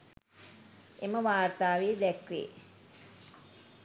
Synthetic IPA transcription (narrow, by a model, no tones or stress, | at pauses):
eməʋaːrt̪aːʋeːd̪ɛkʋḛː